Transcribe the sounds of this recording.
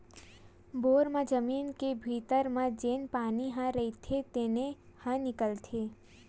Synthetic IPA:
boːɾmãd͡ʒəmiːnkebʱiːt̪əɾmãd͡ʒeːnpaːniɦãɾəit̪ʰet̪eːne | hə̃nɪkəlt̪ʰeː

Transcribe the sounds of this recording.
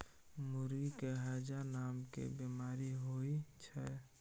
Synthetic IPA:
mʊɾikeɦaːd͡ʒanaːmkḛbimaːɾiɦoit͡ʃʰɛ

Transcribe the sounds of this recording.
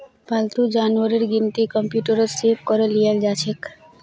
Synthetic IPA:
balt̪ud͡ʒanʋəɾiɾɡint̪ikəmpjuːʈəɾəsep̚kɔɾəlijald͡ʒat͡ʃʰek

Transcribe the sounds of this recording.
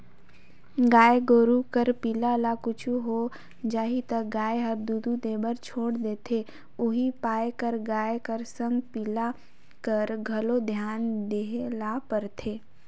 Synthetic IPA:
ɡaːeɡoːɾukəɾpiːlalakʊt͡ʃʰuɦo | d͡ʒaːɦit̪əɡaːeɦɐɾd̪ud̪ud̪eːbəɾt͡ʃʰoːɽd̪eːt̪ʰe | ʊɦipaːjkəɾɡaːekəɾsə̃ŋɡpiːla | kəɾɡʱɐlod̪ʱjaːnd̪eɦelapəɾt̪ʰeː

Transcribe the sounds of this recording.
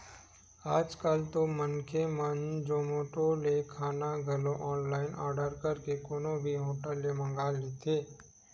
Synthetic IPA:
aːd͡ʒkaːlt̪omənkemənd͡ʒoːmoːʈolekʰaːnaɡʱɐloʔɔːnlaːɪnaːɾɖəɾkəɾkekoːnõbʱiɦoːʈəlːemə̃ŋɡaːlːet̪ʰeː

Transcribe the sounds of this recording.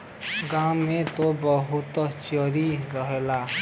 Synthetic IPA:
ɡamet̪obʌɦut̪ɔt͡ʃjʌɾiɾʌɦela

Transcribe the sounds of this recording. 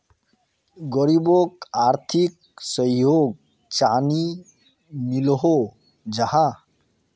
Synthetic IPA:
ɡɔɾibokaːɾt̪ʰik̚ | səjoːɡ̚ | t͡ʃaːni | milɦo | d͡ʒəɦã

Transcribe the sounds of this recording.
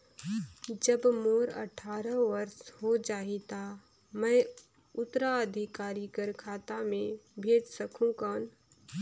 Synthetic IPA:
d͡ʒəbmoːɾə̰ʈʰaːɾəʋəɾshod͡ʒaːit̪a | mɛ̃ː | ʊt̪ːɾaəd̪ʱikaːɾikəɾkʰaːt̪amẽbʱeːd͡ʒsəkʰũkaːn

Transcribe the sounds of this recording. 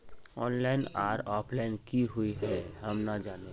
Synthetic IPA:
ɔːnlaɪnaːɾɔːpʰlaɪnkiɦuiɦɛɦɐmnad͡ʒaːne

